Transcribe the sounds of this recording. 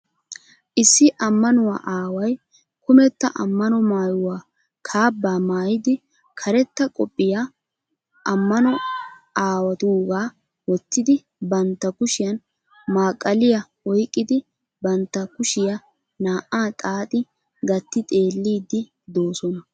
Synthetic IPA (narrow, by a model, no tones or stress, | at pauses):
ʔɪsːɪʔɐmːɐnʊwa̰ːʔaːwɐj | kʊmɛt̪ːɐʔɐ̰mːɐnɔmaːjʊwaː | kʰaːbːaːmaːjɪd̪ɪ | kʰɐɾɛt̪ːɐkʼɔpʼːɪja | ʔɐmːɐnɔaːwɐt̪uːɡaː | wɔt̪ːɪd̪ɪ | bɐnt̪ːɐkʊʃɪjɐn | maːkʼːɐlɪjɐwɔjkʼːɪd̪ɪ | bɐnt̪ːɐkʊʃɪjɐ | naːʔaːt̪ʼaːt̪ʼɪ | ɡɐt̪ːɪt̪ʼe̞ːlːiːd̪ɪ | d̪o̞ːsɔnɐ